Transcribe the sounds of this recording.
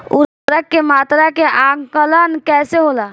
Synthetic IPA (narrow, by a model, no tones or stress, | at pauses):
ṵɾ | ɾəkːemat̪ɾakeʔãɡkələnkɛseɦola